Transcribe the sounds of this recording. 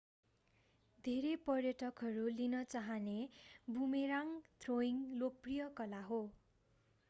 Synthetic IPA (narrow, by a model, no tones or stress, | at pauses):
d̪ʱeɾepʌrjʌʈʌkɦʌɾulinʌt͡saɦʌnebumeɾaŋt̪ʰroiŋlok̚prijʌkʌlaɦo